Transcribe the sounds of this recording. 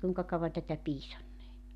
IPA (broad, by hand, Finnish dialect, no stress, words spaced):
kuiŋkɑ kɑuʋɑn tætæ piːsɑnːeː